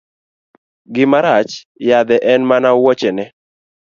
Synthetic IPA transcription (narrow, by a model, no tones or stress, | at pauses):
ɡɪmaɾat͡ʃ | jad̪ɛʔɛnmanawɔt͡ʃɛnɛ